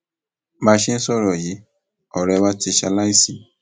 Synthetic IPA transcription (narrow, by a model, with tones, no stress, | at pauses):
ma˧˦ʃe˦n̩˦sɔ˦˨ɾɔ˨ji˨˦ | ɔ˨ɾɛ˧wa˦ti˧ʃa˧la˦i˦˨sĩ˨